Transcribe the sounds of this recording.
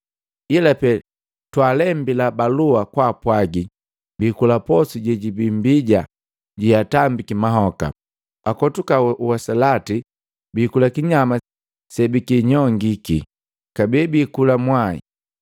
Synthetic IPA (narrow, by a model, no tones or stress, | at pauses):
ilapɛ | twaːlɛmbilabaluakwaːpwaɡi | biːkulapɔsiɟɛɟibimbiɟa | ɟiatambikimaɦɔka̰ | akɔtukauwasalati | bikulakiɲama | sɛbikiɲɔŋɡiki | kabibiːkulamwaḭ